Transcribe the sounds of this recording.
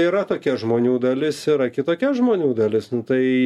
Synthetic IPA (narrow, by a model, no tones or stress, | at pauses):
iːɾɐt̪oːkʲɛʒmoːnʲuːd̪ɐlʲɪsiɾɐkʲɪt̪oːkʲɛʒmoːnʲuːd̪ɐlʲɪsnʊt̪ɐɪ